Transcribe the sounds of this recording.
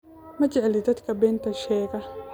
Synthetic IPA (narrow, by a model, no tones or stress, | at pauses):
mɐd͡ʒɛʕɛlɪd̪ɐt̪kɐbɛːnt̪ɐʃɛːɡɐ